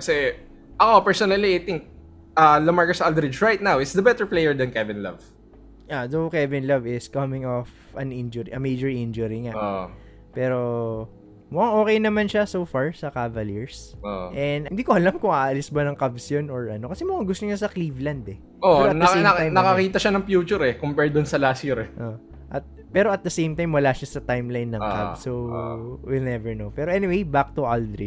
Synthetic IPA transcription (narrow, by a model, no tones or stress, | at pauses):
kɐsɛ | ʔɐkopɛɹsonɐliajt̪ɪŋk̚ | ʔalɐmaɹkosald̪ɾɪd͡ʒɹajt̪̚nawɪt̪sd̪ɐbɛt̪ɛɹplejɛɹd̪ɐnkɛvɪ̃nlɐ̰v | ʔaðowkɛvɪ̃nlɐvɪskɐmɪ̃ŋof | ɐ̃nɪnd͡ʒʊɾiʔɐmejd͡ʒɔɹʔɪnd͡ʒʊɾiŋaʔoʔ | pɛːɾo̞ | mʊʔaŋʔo̞ːkɛjnɐmanʃasowfaɹsɐkavɐliɹsoʔɛnd̪ɪnd̪iːkoʔɐlamkʊŋaːʔɐlisbɐnɐŋkabsjonoɹʔɐno̞kɐsɛmʊɡaɡʊst̪oɲasɐklivlɐnd̪ɛ | ʔoɐt̪nɐnɐnɐkɐkiːt̪ɐʃanɐŋpjuːt͡ʃʊɾɛkompɛɹd̪ʊnsɐlaːsiɾɛʔo | ʔɐt̪̚ | pɛːɾoɐt̪̚d̪ɐsejmt̪ajmwɐlaʃɐsɐt̪ajmlajnːɐŋŋka̰bsowilnɛvɛɹnowpɛːɾoʔɛniwejbak̚t̪uʔald̪ɾḭ